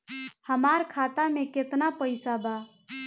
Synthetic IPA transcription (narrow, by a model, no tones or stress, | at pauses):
həmaɾkʰat̪ameket̪napəɪsaba